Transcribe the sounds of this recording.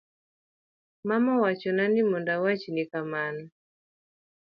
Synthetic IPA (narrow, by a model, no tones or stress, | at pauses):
mamɔwat͡ʃɔnanimɔndawat͡ʃinikamana